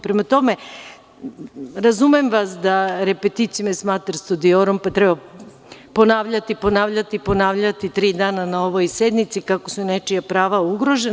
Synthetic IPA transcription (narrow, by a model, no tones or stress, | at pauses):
pɾemat̪o̞me̞ | ɾazumemʋasd̪aɾepet̪it̪sijumesmat̪ɾst̪ud̪ioɾompat̪ɾɛba | po̞naʋʎat̪ipo̞naʋʎat̪ipo̞naːʋʎat̪it̪ɾiːd̪aːnanao̞ʋojsed̪nit̪sikakosunet͡ʃijapɾaːʋauɡɾo̞ʒen